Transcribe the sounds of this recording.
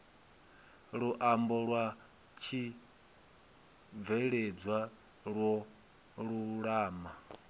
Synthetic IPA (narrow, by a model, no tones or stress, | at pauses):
ɺuʔambɔɺwa | t͡ʃʰi | b̪vɛɺɛd͡zwa | ɺwɔ | ɺuɺaːma